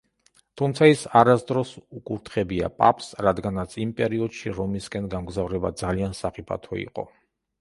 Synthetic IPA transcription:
t̪ʰumt̪sʰaisaɾasd̪ɾɔsukʼuɾt̪ʰχɛbia̰pʼapʰsɾad̪ɡanat̪sʰimpʼɛɾiɔd̪̥ʃiɾɔmiskʼɛnɡamɡzavɾɛba̰d̪zaliansaχipʰa̰t̪ʰɔ̰ḭqʼɔ̰

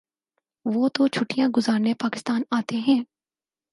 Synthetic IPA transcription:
ʋoːt̪ot͡ʃʰʊʈijãɡʊzaːɾnepaːkɪst̪aːnaːt̪eɦɛ̃ː

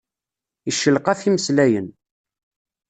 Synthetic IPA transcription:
iʃːəlqɑθiməslæjən

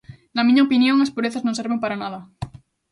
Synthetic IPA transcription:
namĩɲaopinjõ̞ŋaspuɾeθaznõnseɾβempaɾanaða

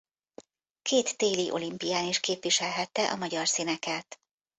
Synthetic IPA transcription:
kʰeːt̪ːeːliʔo̞̰limpijaːniʃkeːpʋiʃɛlɦɛt̪ːɛʔɒmɒɟɒrsinɛkɛt̪

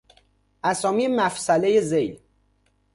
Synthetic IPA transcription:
ʔæsɒːmijemæfsæle̞jezejl

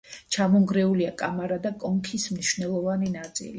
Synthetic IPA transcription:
t͡ʃʰamɔŋɡɾɛuliakʼamaɾad̪akʼɔŋkʰismniʃvnɛlˠɔvaninat̪sʼḭli

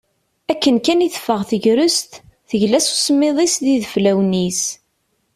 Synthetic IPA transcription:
ækːənkæniθə̥fːəʁθəʝɾəst̪ | θəʝlæsu̥səmːɪðˤisðiðəflæwnis

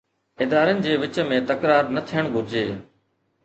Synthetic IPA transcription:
ɪd̪aːɾənɪ̆d͡ʑeːʋɪt͡ɕmẽt̪ɐkɾaːɾnɐt̪ʰijəɽ̃ɡʱʊɾɪd͡ʑeː

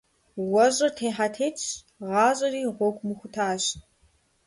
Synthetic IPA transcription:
wɔɕʼɐrtʰeːħatʰeːt͡ʃ | ʁɑːɕʼɐriːʁʷɔɡʷʼmɨxʷʊtʰaːɕt

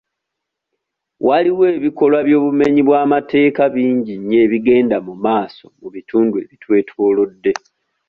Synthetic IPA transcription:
wʔaliwe̞ːβiko̞lwaβjo̞ːβume̞ɲiβwaːmatʰe̞ːkaβiːɲɟiɲe̞ːβiɡe̞ːndamumaːso̞muβitʰuːndue̞̰βitʰwe̞ːtʰoːlodːe̞

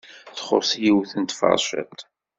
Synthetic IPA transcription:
θχo̰ɾsjiwθənt̪fɑ̰ɾˤʃæ̰t̪

